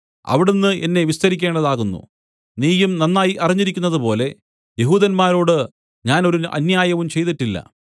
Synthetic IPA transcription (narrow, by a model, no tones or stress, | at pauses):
ɐ̰ʋiɽenːɨʔenːe̞ʋist̪ɐɾikʲːe̞ːɳɖɐðaːɣunːṵ | niːjumnɐnːaːjiʔɐriɲːiɾikʲːunːɐðɨpo̞ːle̞ | jeɦuːðɐnmaːɾo̞ːɽɨ | ɲaːno̞ɾuʔɐ̰njaːjɐʋumt͡ɕe̞jt̪iʈːilːɐ̰